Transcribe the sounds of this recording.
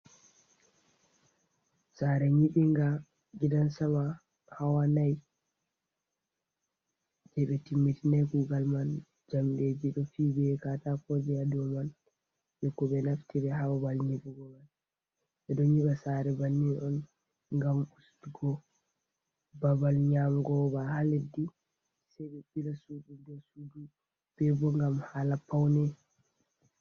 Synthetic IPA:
saɾɛɲiɓiŋɡa | ɡidansama | hawanaj | d͡ʒɛɓɛtimːitinajɡuːɡalman | d͡ʒamɗed͡ʒiɗɔfibɛkatakod͡ʒijadɔman | jɔkːɔɓɛnaftiɾɛɦawabalɲiɗuɡɔman | ɓɛɗɔɲiɓasaɾɛbanːiɔn | ŋɡamustuɡɔ | babalɲamɡɔbahaledi | saɓɛbiɾasud͡ʒudɔsudu | b̥ɛbɔŋɡamhalapawnɛ

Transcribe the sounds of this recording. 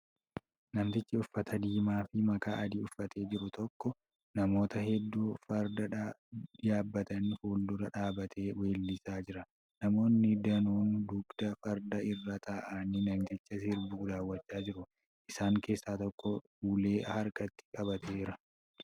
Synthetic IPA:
nɐnt̪ɪt͡ʃːɐʊfːɐt̪ʰɐd̪iːmaːfɪmɐkaːʔɐd̪iːʊfːɐt̪e̞ːd͡ʒɪɾʊt̪ɔkːɔ | nɐmo̞ːt̪ɐhɛd̪ːuːfɐɾd̪ɐᶑɐɪjaːbːɐt̪ɐnfuːld̪ʊɾɐᶑaːbɐt̪ʰeːwe̞ːlːɪsaːd͡ʒɪɾɐ | nɐmo̞ːnːɪd̪ɐnuːnd̪ʊɡd̪̥ɐfɐɾd̪ɐɪrːɐt̪aːʔaːnɪnɐnt̪ɪt͡ʃːɐsɪɾbuːd̪aːwːɐt͡ʃːaːd͡ʒɪɾʊ | ʔɪsaːŋke̞ːsːaːt̪ɔkːɔhuːle̞ːhɐɾkʼɐt̪ːɪ̥kʼɐbɐt̪ʰeːɪɾɐ

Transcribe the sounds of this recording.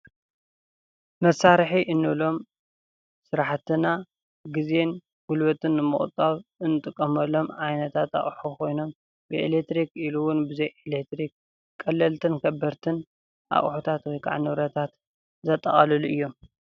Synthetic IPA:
mɐsaɾħiʔɨnːɨβlo̞m | sɨɾaħt̪ʰɨna | ɡɨze̞n | ɡʊlβɐt̪ʰɨnːɨmɨχʼt̪ʼːaβʔɨnːɨt̪ʼɨkʼːɐmɐlːo̞mʕajnɐt̪ʰat̪a̰χʼħukʰo̞jno̞m | bɨḛlek̚t̪ɾikiluwʊnbɨzɐjʔelekt̪ɾik | kʼːɐlːɐlt̪ʰɨnkʰɐbːɐɾt̪ʰɨn | ʔa̰χʼħut̪ʰat̪wɔjkʰa̰ʕnɨβɾɐt̪ʰat̪ | zɐt̪ʼːɐ̰χʼɐlɐluɨjːo̞m

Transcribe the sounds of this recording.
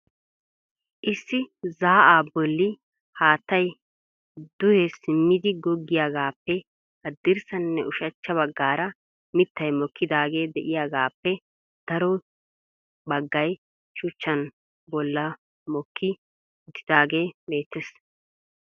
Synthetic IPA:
ʔɪsːɪzaːʔaːbɔlːɪ | haːt̪ːɐj | d̪̥ʊhɛsɪmːɪd̪ɪɡɔɡːɪjaːɡaːpːɛ | hɐd̪ːɪɾsɐnːɛʔʊʃɐt͡ʃːɐβɐɡːaːɾɐ | mɪt̪ːɐjmɔkʰːɪd̪aːɡe̞ːd̪ɛʔɪjaːɡaːpːɛ | d̪̥ɐɾɔ | bɐɡːɐj | ʃʊt͡ʃːɐn | bɔlːɐ | mɔkːɪ | d̪ɪd̪aːɡe̞ːme̞ːt̪ːes

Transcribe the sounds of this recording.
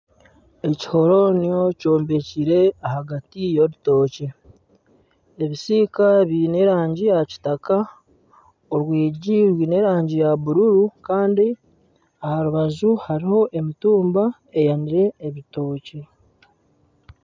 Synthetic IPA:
e̞ci̥ho̞ɾo̞nijo̞co̞ːmbe̞ciɾeahaɡatijo̞ɾuto̞ːce | eβisikaβine̞ɾaːɲɟijaci̥taka | oɾwiːɟiɾwiːne̞ɾaːɲɟijaβuɾuɾukaːndi | ahaɾuβazuhaɾiho̞ʔe̞mituːmba | e̞janiɾe̞ːβito̞ːce

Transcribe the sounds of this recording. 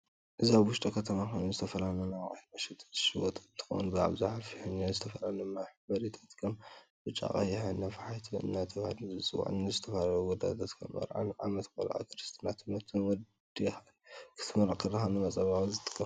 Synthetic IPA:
ʔɨzaβwʊʃt̪ʼɐkʰɐt̪ʰɐmaxojnunzɨt̪ʰɐfɐlalɐnawkʼa̰mɐʃɛt̪ʰɨ̥ʃɨwɔt̪ʼɨnt̪ʰɨ̥xo̰nbɨʕa̰βzaħafiħunazɨt̪ʰɐfɐlalɐnaħbɐɾit̪ʰḁt̪kʰɐmbɨt͡ʃʼːa̰ʔʼa̰jħanːafħajt̪ʰɨɨ̰nːat̪ʰɐβahluzɨt͡sʼɨwa̰ʕnɨzɨt̪ʰɐfalaluɡɔd̪at̪ʰat̪kʰɐ̰mːɐ̰ɾʕa̰nʕamɐt̪bɐ̰lɐ̰ʔa̰kʰɨɾɨst̪ʰnat̪ʰɨmɐt̪ʰɨwɔ | d̪ixa | kʰɨ̥t̪ʰɐmɐɾakʰːɐɾɐxanɨmɐt͡sʼɐβawzɨt̪ʼɨ̥kʼːɐ

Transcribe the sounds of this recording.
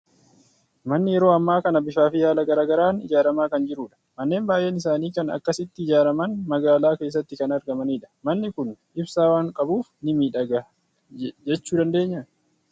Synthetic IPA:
mɐnːɪjɛɾo̞ːɐmːaːkɐnɐbɪʃaːfɪjaːlɐɡɐɾaːɡɐɾaːnɪ̰d͡ʒaːɾɐmaːkɐnd͡ʒɪɾuːᶑɐ̥mɐnːe̞ːmbaːjʔeːnɪs̬aːniːkɐnɐ̰kːɐsɪt̪ːɪɪd͡ʒaːɾɐmɐnmɐɡaːlaːke̞ːs̬ːɐt̪ːɪkɐnɐɾɡɐmɐniːᶑɐ̥mɐnːɪkʊnʔɪbsaːwaːŋkʼɐbuːfnɪmiːᶑɐɡɐ | d͡ʒɛt͡ʃːuːd̪ɐnd̪e̞ːɲːɐ

